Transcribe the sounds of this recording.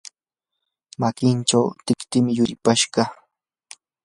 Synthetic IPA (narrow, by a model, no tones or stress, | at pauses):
makɪnʈ͡ʂawt̪ɪkt̪ɪmɪjʊɾɪpaʃɢɑ